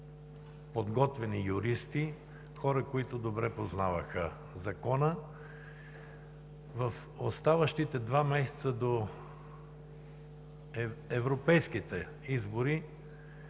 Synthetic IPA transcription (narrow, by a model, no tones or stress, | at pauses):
pod̪ɡɔt̪vɛnijʊɾist̪i | xɔɾəkoit̪ʊd̪obɾɛpoznavəxə | zɐkɔnə | vəf | ost̪avəʃt̪it̪ɛd̪vamɛsɛ̥t̪səd̪o | ɛvɾopɛjskit̪ɛ | izboɾi